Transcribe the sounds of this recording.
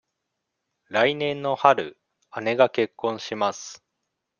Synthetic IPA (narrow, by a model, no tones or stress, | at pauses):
ɾainẽ̞nːo̞haɾɯ̟̰ | ane̞ɡake̞kːõ̞ɰ̃ɕimasɨ̥